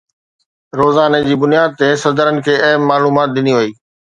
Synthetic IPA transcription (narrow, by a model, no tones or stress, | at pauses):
ɾoːzaːned͡ʑiːbʊnijaːd̪̚t̪esɐd̪əɾənɪ̆kʰeːɐɦmːaːluːmaːt̪̚ɗ̪ɪniʋɐiː